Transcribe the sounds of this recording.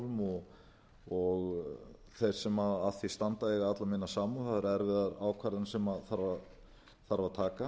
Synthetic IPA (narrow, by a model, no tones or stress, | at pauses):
vʏmɔ | ɔɣ | θejɾ̥sɛmaðaθist̪ant̪aɛɣaat̪lamɪnːasaːmuθaʏɾɛɾvɪðaɾaːwkʰvaɾɪnsɛmaðθaɾva | θaɾvat̪ʰaːka